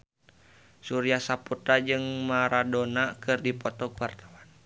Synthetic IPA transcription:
suɾiasaput̪ɾad͡ʒɨŋmaɾadonakɨrdipɔt̪ɔkwart̪awan

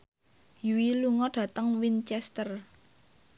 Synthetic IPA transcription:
juwiluŋɔɖ̥ä̤t̪əŋwint͡ʃɛst̪ər

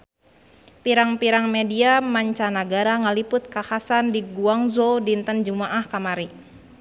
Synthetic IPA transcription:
piɾaŋpiɾaŋmediamaɲt͡ʃanaɡaɾaŋalipʊt̪̚kahasandiɡuaŋzodint̪ənd͡ʒumaʔahkamaɾi

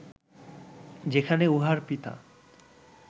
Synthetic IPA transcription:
d͡ʑekʰaneuɦaɾpit̪a̰

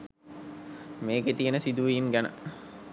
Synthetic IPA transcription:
meːɡet̪ijənəsid̪uʋinɡænə̰

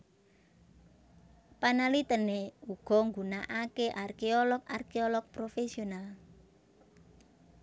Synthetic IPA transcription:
panalit̪əneuɡ̥ɔ̤ŋɡunaʔakeʔarkeɔlɔk̚arkeolɔk̚pɾofesional

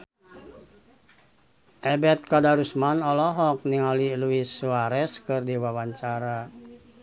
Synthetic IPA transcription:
ʔɛbɛt̪̚kadaɾusmanɔlɔɦɔk̚niŋaliluisuaɾɛskɨrdiwawaɲt͡ʃaɾa

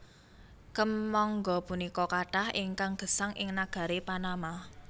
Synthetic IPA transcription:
kəmːɔŋɡɔpunikɔkaʈahʔiŋkaŋɡ̥ə̤saŋʔɪ̰ŋnaɡ̥a̤ɾepanama

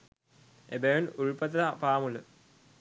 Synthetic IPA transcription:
ebejunuɻpɐt̪apaːmulə

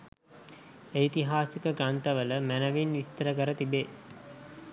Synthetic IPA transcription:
eit̪iɦaːsikəɡɾant̪əʋələmænəʋinʋist̪əɾəkəɾət̪ibe

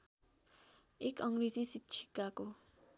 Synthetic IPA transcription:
ekʌŋred͡zisitːt͡ʃʰi̥kako

